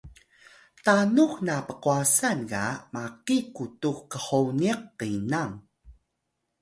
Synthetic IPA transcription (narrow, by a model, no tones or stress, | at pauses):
tanuknapəquasankamaqikutuxkəħowniəqːinaŋ